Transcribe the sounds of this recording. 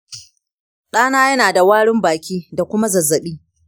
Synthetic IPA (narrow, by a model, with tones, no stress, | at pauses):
ɗaː˦naː˦jɐ˦naː˨da˨waː˦ɽɪ˦mbaː˨kʲiː˦da˨kʷʊ˦ma˦zɐ˨zːɐ˨ɓiː˦